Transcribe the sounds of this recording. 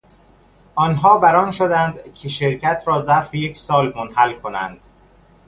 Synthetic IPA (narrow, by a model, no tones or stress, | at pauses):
ʔɒːnɦɒːbæɾɒːnʃod̪ænd̪cʰeʃeɾcʰæt̪ʰɾɒːzæɾfejecsɒːlmonhælkʰonæ̰nd̪̥